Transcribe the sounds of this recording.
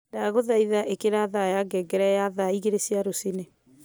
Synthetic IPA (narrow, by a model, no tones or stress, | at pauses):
daːɣoðaiðaʔekeɾaðajaɡɛɡɛɾɛjaðaiɣeɾesiaɾosine